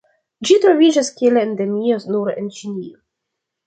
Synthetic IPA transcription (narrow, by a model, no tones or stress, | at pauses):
d͡ʒit̪ɾovid͡ʒaskieleend̪emiosnuɾent͡ʃinʲio